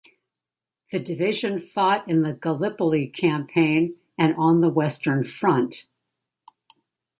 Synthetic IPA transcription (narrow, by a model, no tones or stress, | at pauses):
ðɨdɨvɪʒɨ̃nfɔɾɨ̃nðɨɡəlɪpl̩ˠikʰæ̃mpʰẽɪ̃n | ɨ̃nə̃nðəwɛstə̃˞nfɹʌ̃nt